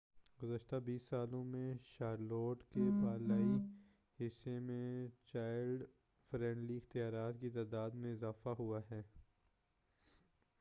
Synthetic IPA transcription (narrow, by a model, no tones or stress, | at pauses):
ɡʊzəʃt̪abiːsːaːlõmẽʃaːɾloːʈkebaːlaːi | hɪsːemẽt͡ʃaːɪlɖ | fɾɛ̃ːɳɖliɪxt̪ijaːɾaːt̪kit̪aːd̪aːd̪mẽɪzaːfaɦuaɦɛː